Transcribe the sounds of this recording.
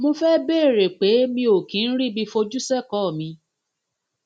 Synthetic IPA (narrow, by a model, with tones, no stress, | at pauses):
mõ˧fɛ˦beː˦˨ɾe˨k͡pe˨˦mĩ˧o˨kĩ˨˦n̩˦ɾi˦˨bi˧fo˧d͡ʒu˦sɛ˦˨kɔ˨˦˨mĩ˧